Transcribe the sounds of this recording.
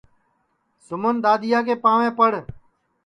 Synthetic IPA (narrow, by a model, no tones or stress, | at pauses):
sʊmənd̪aːd̪ɪjaːk̬eːpãːʋẽːpəɽ